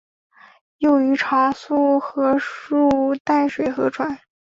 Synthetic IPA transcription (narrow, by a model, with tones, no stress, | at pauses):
jo˥˩ʊy˧˥ʈ͡ʂʰa˧˥su˥˩xɤ˧˥u˥˩t̪a˥˩ɪʂwe˨˩ɪxɤ˧˥ʈ͡ʂʰwa˨˧˥n